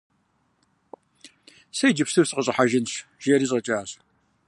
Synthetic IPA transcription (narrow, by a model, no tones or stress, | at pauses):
sɐjd͡ʒɪpsɨwsɨqʼəɕʼɐħaʒɪnɕʒ̥eɾiːɕ̬ʼɐt͡ʃʼaːɕ